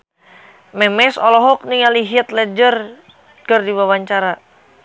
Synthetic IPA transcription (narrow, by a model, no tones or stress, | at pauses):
mɛmɛsɔlɔɦɔk̚niŋaliɦiət̪̚lɛd͡ʒər | kərdiwawaɲt͡ʃaɾa